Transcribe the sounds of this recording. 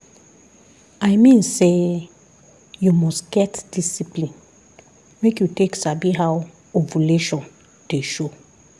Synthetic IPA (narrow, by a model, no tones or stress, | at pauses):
ajmĩnse | jumɔstɡ̥ɛtd̥isiplĩn | mekjuteksabiɦaw | ovuleʃɔ̃n | d̥eʃo